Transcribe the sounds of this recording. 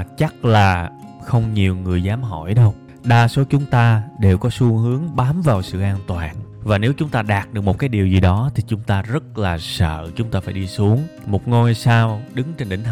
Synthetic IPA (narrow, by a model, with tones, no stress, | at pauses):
t͡ɕa˦˥k̚laː˨˩xə˧wŋ͡mɲi˨˩əwŋɨ˨˩əjzaː˨˦mɦɔ̰˧˩jɗə˧w | ɗaː˧so˨˦t͡ɕʊ˨˦ŋ͡mt̪aː˧ɗe˨˩wkɔ˨˦su˧əhɨ˨˦əŋɓaː˨˦mvaː˨˩wsɨ̰˧˨ʔaː˧nt̪waː˨˩nvaː˨˩ne˨˦wt͡ɕʊ˨˦ŋ͡mt̪aː˧ɗaː˨˩t̚ɗɨ˨˩ək̚mo˨˩t̚kaː˨˦jɗi˨˩əwzi˨˩ɗɔ˨˦t̪ʰi˨˩t͡ɕʊ˨˦ŋ͡mt̪aː˧zə˦˥t̚laː˨˩sə̰ː˧˨t͡ɕʊ˨˦ŋ͡mt̪aː˧faː˧˩jɗi˧su˨˦əŋmo˨˩t̚ŋo˧jsaː˧wɗɨ˨˦ŋt͡ɕe˧nɗe˨˦ŋ̟